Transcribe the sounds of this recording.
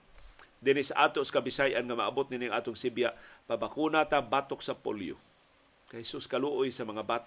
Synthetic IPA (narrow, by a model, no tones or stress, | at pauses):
d̪ɪnɪsaʔaːt̪oʔsḁkabɪsajʔanŋamaabʊt̪̚nɪniŋʔaːt̪ʊŋsɪbjaʔpabakunat̪abaːt̪oksapo̰ljo̰ | kahɛsuskaluʔojsamaŋabaːt̪